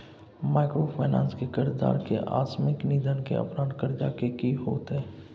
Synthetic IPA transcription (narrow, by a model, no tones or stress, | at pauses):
maːkɾopʰaːnã̰ːnskekɪɾd̪a̰ːɾkḛʔa̰ːt̪smɪkniːd̪ʱənkḛə̰pɾaːnkəɾd͡ʒaːkekiɦoːt̪ɦɛː